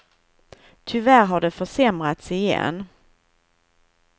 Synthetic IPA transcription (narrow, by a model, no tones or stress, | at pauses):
t̪ʰʏvæɾɦaɖɛfœʂɛmɾat̪sɪjɛ̰nː